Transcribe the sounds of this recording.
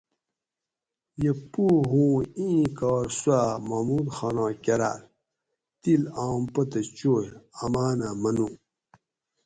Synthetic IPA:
jepuːɦũːĩːkaːɾswamamud̪xaːnãːkʲɐɾa̰ːl | t̪ilãːmpɐt̪ɐt͡ɕoːjɐmaːnamɐnu

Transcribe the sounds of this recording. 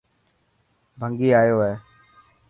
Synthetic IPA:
bʱəŋɡiːaːjoːɦɛː

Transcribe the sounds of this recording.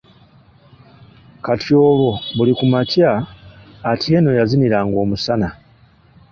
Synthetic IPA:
katjo̞ːβo̞βulikumacaː | tʰieno̞jaziniɾaŋɡo̞ːmusana

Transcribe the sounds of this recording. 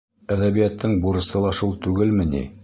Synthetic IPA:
æðæβijæt̪ʰːɘɴbuɾɤ̆sɤlˠɑʃulˠt̪ʉɡɘlmɘ̆nḭ

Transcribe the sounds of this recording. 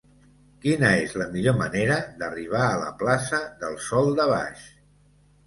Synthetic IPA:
kinəezləmiʎoməneɾəðəriβ̞aələ̰plasəðəlˠsɔlˠd̪əβ̞a̰ʃ

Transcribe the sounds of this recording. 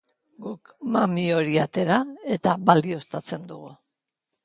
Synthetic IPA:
ɡukmamio̞ɾiat̪e̞ɾae̞t̪abald̪io̞st̪at͡se̞nd̪uɣu

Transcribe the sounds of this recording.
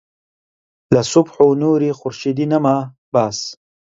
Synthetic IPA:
lɐsʊbħonuːɾixʊɾʃid̪inɐmaː | baːs

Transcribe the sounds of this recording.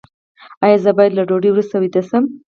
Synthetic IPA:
ɑjɑzəbɑjad̪laɖoɖiwɾust̪awid̪əsəm

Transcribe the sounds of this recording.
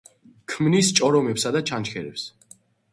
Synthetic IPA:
kʰmnist͡ʃʼɔɾɔmɛpsad̪at͡ʃʰant͡ʃkʰɛɾɛ̰ps

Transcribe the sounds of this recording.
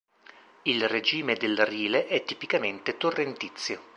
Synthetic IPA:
ilred͡ʒiːmed̪elriːleʔɛt̪ːipikament̪et̪orːent̪it̪sːjo

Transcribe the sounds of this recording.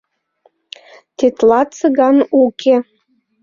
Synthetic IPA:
t̪et̪lɑtt͡sɤɣɑnukʰe

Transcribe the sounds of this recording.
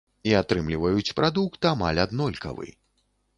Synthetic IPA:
iat̪ɾɨmlʲivɐjut͡sʲpɾʔad̪ukt̪ama̰lʲad̪nɔlʲkɐ̰vɨ̰j

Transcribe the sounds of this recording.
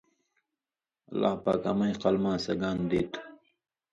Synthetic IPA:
ɐla̰ːpa̰ːkɐ̰mɐĩqɐlmãːsɐɡaːnd̪eːt̪ʰu̥

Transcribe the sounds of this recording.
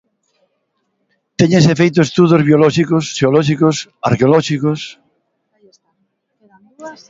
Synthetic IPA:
t̪eɲesefejt̪oest̪uðozβjolɔʃikosʃeolɔʃ̬ikosa̰ɾkeolɔʃikos

